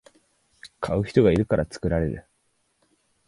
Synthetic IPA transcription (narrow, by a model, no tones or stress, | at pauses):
kʰaɯ̟çi̥t̪o̞ɡaiɾɯ̟kaɾʔat͡sɨ̥kɯ̟ɾaɾe̞ɾɯ̟̰